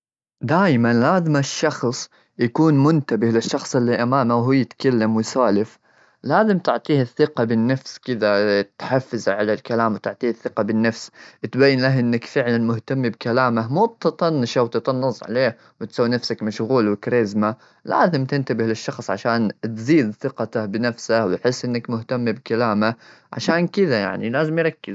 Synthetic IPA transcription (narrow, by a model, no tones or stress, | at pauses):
d̪aːjmanlaːzɪmaʃːɑxsˤ | jakuːnmʊnt̪abɪhlɪʃːɑxsˤɪlːiʔamaːmawɦuːjɪt̪kalːamwɪsaːlɪf | laːzɪmt̪ɪʕt̪ˤiːhɪθːɪqɑbɪnːafskɪd̪at̪ħafːɪzaʕalalkalaːmwt̪ɪʕt̪ˤiːhɪθːɪqɑbɪnːafst̪bajːɪnlaɦʔɪnːakfɪʕlanmʊht̪amːibkalaːmaɦmuːt̪t̪ˤɑnːɪʃawt̪ɨt̪ˤɑnːɑsˤʕa̰leːh | wɪt̪sawːinafsakmaʃɣuːlwɪkɾeːzma | la̰ːzɪmt̪ɪnt̪abɪhlɪʃːɑxsˤʕa̰ʃaːnt̪ziːd̪θɪqɑt̪abɪnafsahwɪjħɪsːʔɪnːakmʊht̪amːibkalaːmaʕa̰ʃaːnkɪðaja̰ʕnilaːzɪmjɾˤɑkːɪz